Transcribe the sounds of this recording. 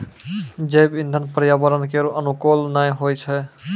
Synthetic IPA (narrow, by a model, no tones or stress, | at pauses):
d͡ʒebind̪ʱənpəɾijabəɾənkeɾoʔənukolnajɦojt͡ʃʰɛ